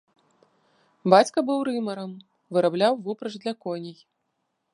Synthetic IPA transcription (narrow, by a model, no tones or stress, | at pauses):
bat͡sʲkɐbɨwɾɨmɐɾɐm | vɨɾablʲawvupɾɐʐd̪lʲɐkɔnʲij